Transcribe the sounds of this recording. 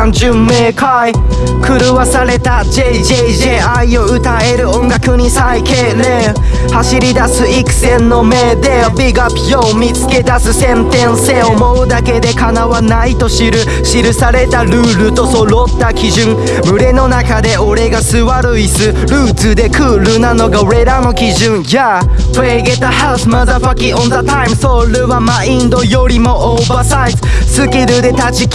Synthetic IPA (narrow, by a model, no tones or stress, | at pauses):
ãɲd͡ʑɨmːe̞ːkai | kɯ̟ɾɯ̟βasaɾe̞t̪ad͡ʑeiʑeʑeaio̞ɯ̟t̪ae̞ɾɯ̟õ̞ŋɡakɯ̟ɲ̟isaikeːle | haɕiɾʲid̪asɨikɯ̟̥sẽ̞nːo̞me̞d̪e̞ | bʲiɡapʲiomʲit͡sɨ̥ke̞d̪asɨsẽ̞nt̪ẽ̞ɰ̃se̞ːo̞mo̞ɯ̟d̪ake̞d̪e̞kanaβanait̪o̞ɕiɾɯ̟ | ɕiɾɯ̟saɾe̞t̪aɾɯ̟ːɾɯ̟t̪o̞soɾot̪ːakʲiʑɨ̃ŋ | mɯ̟ɾe̞no̞nakad̪e̞o̞ɾe̞ɡasɨβaɾɯ̟isɨ | ɾɯːt͡sɨd̪e̞kʰɯːɾɯ̟nano̞ɡaoɾe̞ɾano̞kʲiʑɯ̃ŋja | eɡet̪ahasmaðafakʲĩŋõnðat̪ãɪj̃msoɾɯβamaĩnd̪o̞jo̞ɾʲimo̞ʔobasajzɨ̥sɨkʲiɾɯ̟d̪e̞t̪at͡ɕik